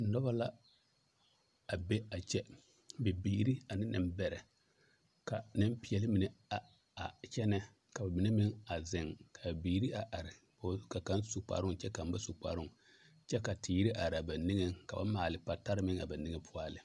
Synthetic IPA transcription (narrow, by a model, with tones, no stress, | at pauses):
nɔ˦ba˦la˦ | a˨be˦a˨t͡ʃɛ˦ | bɛ˨biː˨˦ɾi˦a˨nɪ˦nɪ̰˨m˦bɛ˨ɾɛ˨ | ka˨nɪ˦m˦pɪ˦ɛ˨lɪ˦mɪ˨nɛ˨a˨ | a˨t͡ʃɛ˦nɛ˦ | ka˨ba˨mɪ˨nɛ˦mɪ˦ŋa˨zɪ˨ŋkʰa˨bbiː˨ɾi˦a˨ʔa˨ɾɪ˨ | ba˨˦ka˨ka˦nsu˨k͡pa̰˨ɾʊ˦ŋ˨t͡ʃɛ˦ka˨m˦ba˦sʊ˨k͡pa̰˨ɾʊ˦ŋ | t͡ʃɛ˦ka˨tʰiː˨˦i˦ɾi˦ʔa˨ɾa˨ba˨nɪ˦ŋɛ˦ŋka˨ba̰˦maː˨lɪ˨˦pa˨ta˦ɾɪ˦mɪ˦ŋa̰˨ba˨ni˦ŋe˦pʰʊ˦a˦˨lɪ˨